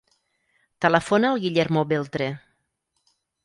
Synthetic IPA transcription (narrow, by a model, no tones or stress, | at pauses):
t̪ələfonaːlˠɣiʎeɾmoβelˠt̪ɾe